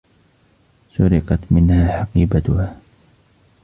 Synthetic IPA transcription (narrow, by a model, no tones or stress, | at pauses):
sʊɾɪqɑt̪mɪnhaːħɑqiːbat̪ʊhaː